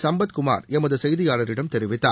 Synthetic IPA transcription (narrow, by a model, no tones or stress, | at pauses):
sɐmbɐt̪kʊma̰ːɾɛmɐðɯsɐjðɪjaːlɐɾɪɽɐmt̪ɛɾɪʋɪt̪ːa̰ː